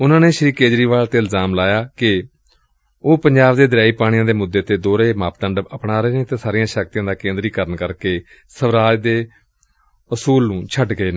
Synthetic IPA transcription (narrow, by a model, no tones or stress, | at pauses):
ʊnãːneːʃɾiːkeːd͡ʒɾiːʋaːlt̪eːɪlzaːmlaːjaːkɪ | oːpəɲd͡ʒaːbd̪eːd̪ɾjaːiːpaːɽ̃ɪjãːd̪eːmʊd̪ːeːt̪eːd̪oːɾeːmaːpt̪əɳɖəəpɳaːɾeːneːt̪eːsaːɾijãːʃək̚t̪ijãːd̪aːkẽːnd̪əɾiːkəɾənkəɾkeː | səʋɾaːd͡ʒd̪eː | ʊsuːlnũːt͡ʃʰəɖɡəeːneː